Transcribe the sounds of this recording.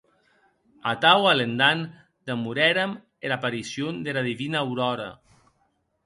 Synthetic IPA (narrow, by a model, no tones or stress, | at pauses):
at̪awalend̪an | d̪amuɾɛɾam | elapaɾisjond̪elaðiβinaːwɾɔɾa̰